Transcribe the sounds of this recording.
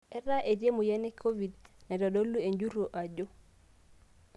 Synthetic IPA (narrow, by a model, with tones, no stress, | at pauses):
ɛ˦ɾa˦ʔe˨dje˦mu˨jɛ˦ne˦kʰo˦vi˨dnɛ˨dɔ˨ɗo˦lːu˦e˨ɲd͡ʒu˦ɾo˨ʔa˨d͡ʒo˦